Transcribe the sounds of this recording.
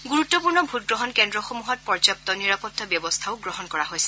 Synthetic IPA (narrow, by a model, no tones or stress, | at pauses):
ɡuɹutːɔpuɹnɔbʱut̚ɡɹɔɦɔnkɛndɹɔxomuɦɔt̚pɔɹzap̚tɔniɹapɔtːɔbjɔbɔst̪ʰaʊɡɹɔɦɔnkɔɹaɦojsɛ̥